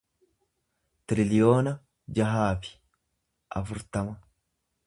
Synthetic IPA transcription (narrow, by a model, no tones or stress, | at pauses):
t̪ɾɪlɪjoːnɐ | d͡ʒɐɦaːfɪ̥ | ʔɐ̰fʊɾt̪ɐmɐ